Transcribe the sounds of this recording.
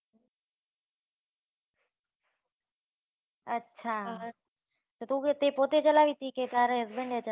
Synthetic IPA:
ətːʃʰaː | t̪ot̪ut̪epoːt̪et͡ʃəlaːʋit̪ʰiːket̪aːɾeɦəzbẽɳɖet͡ʃə

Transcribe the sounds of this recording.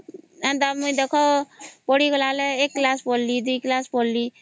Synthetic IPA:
ɛ̃nd̪amʊĩd̪ekʰoːpoːɽiɡəlaːleeːkːlaːspoːllid̪uiːklaːspolliː

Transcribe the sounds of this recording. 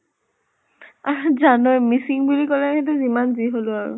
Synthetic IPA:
azanɔjmisiŋbulikɔlɛɦɛtʊzimanziɦolʊaɹʊ̰

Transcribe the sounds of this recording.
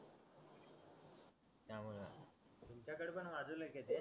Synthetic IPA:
t̪jamulat̪umt͡ɕjakəɽpəɳʋad͡zuleket̪e

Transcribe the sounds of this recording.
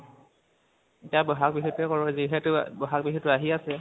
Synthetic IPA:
etijabɔɦakbiɦɔtɛkɔɹɔziɦɛtʊbɔɦak̚biɦɔtʊaɦiasɛ

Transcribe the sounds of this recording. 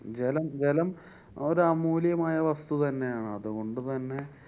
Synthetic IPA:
d͡ʑelɐmd͡ʑe̞lɐm | o̞ɾuɐmuːljɐmaːjɐʋɐst̪ut̪ɐnːe̞jaːɳɨɐðuɣo̞ɳɖɨt̪ɐnːe̞

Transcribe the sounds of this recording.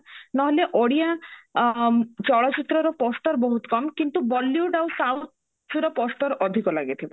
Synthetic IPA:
nɔɦoleʔoɽia | t͡ɕɔɽat͡ɕit̪ːɾɔɾɔpɔsʈɔɾboɦut̪kɔmkint̪ubɔlːjuɖawsawt̪̚ | d͡ʒuɾɔpɔsʈ̪ɔɾɔd̪ʱikɔlaɡet̪ʰibo

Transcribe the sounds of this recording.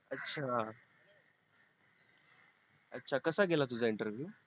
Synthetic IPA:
ətːɕʰa | ətːɕʰakəsaɡelat̪ud͡zʱaiɳʈəɾʋjuː

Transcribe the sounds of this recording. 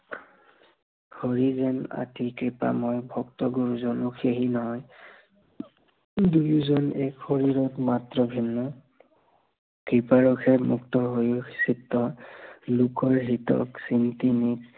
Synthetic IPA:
ɡʰɔɹizɛna̰tikɹipa̰mɔjbʱɔktɔɡuɹuzɔnʊkʰeɦinɔɦɔj | dujuzɔnɛkxoɹiɹɔtmatɹɔbʱinːɔ | kɹipaɹɔkʰɛmuktɔɦojusitːɔlukɔɹɦitɔ̰ksintinik

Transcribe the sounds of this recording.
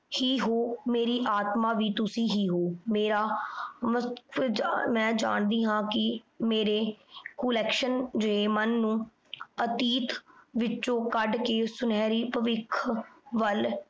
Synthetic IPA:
hiːɦoːmeːɾiːʔaːt̪maːʋiːt̪ʊsĩːɦiːɦoːmeːɾaːʋəkəmɛ̃ːd͡ʒa̰ːɳd̪iːɦãːkɪ | meːɾeːkuːlɛːkʃənd͡ʒeːmənːũː | ət̪iːt̪ʋɪt͡ʃːõːkəɖkeːsʊnɛːɾiːpəʋɪkʰʋəl

